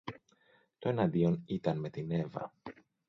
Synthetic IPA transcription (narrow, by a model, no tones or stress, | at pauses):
t̪o̞e̞nɐnd̪io̞nit̪ɐnme̞t̪ine̞vɐ̰